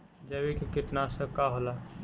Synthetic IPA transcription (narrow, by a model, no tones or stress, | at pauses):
d͡ʒɛbikekiʈnasə̃kaɦola